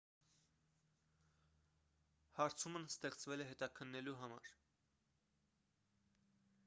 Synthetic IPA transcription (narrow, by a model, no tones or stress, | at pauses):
hɑɾt͡sʰumənst̪ɛχt͡svɛlɛɦɛt̪ɑkʰənːɛluɦɑmɑ̰ɾ